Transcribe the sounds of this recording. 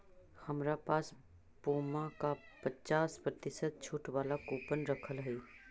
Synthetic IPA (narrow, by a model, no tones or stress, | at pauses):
həmɾapaːs | buːmãkapət͡ʃaːspɾət̪ɪsət̪̚t͡ʃʰuːʈwaːlakuːpənɾəkʰəlɦɛiː